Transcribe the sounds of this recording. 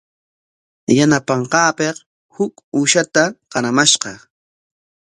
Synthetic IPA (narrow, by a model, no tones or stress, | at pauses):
janapɑɴqɑːpeq | hʊkuːʃat̪aqɑɾamaʃqɑ